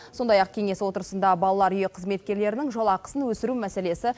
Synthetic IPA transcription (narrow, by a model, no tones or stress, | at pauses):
so̞nd̪ɑjɑq̚kʲʰeŋe̞swo̞t̪əɾəsənd̪ɑbɑlˠɑlˠɑɾʏje̞qʰəzme̞t̪̚kʲe̞ɾle̞ɾɪnɪŋʒolˠɑqə̥sənwɵsɪɾumæse̞le̞sɪ